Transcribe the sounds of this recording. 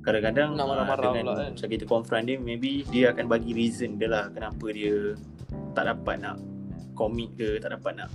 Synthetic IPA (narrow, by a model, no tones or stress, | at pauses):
kaɾakadaŋaaaŋãt͡ʃakit̪əkɔnfɾandiəmẽbidiəakanbaɡiɾizənidəlahkənãpədiə | t̪a̰ʔdapa̰t̪̚nã̰ʔkomĩt̪̚kət̪aʔdapat̪̚naʔ